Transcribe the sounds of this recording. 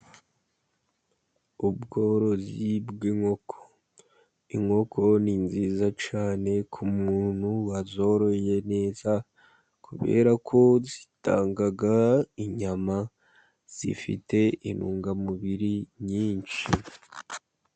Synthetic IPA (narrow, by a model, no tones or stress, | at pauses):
ubɡo̞ɾo̞zibɡiŋo̞kʰo̥ | iŋo̞kʰo̞ninzizat͡ʃaːne̞kʰumuːn̥huwazo̞ɾo̞je̞ne̞ːza | kʰuβe̞̰ːɾakʰo̞zitʰa̰ːŋɡaɡaiɲama | z̥ḭfḭtʰe̞ʔinuːŋɡamuβiɾiɲiːnt͡ʃi